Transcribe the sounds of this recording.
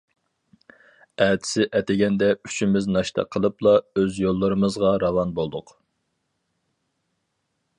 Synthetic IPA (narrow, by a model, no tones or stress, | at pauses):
ɛːt̪ʰɪ̥sɪʔɛt̪ɪɡʲɛnd̪ɛy̥t͡ʃimɪznɑʃt̪ʰɑ̰qʰəlˠɨplˠɑøzjolˠːɨɾɨmɨzʁɑɾɑvɑnbolˠd̪ʊq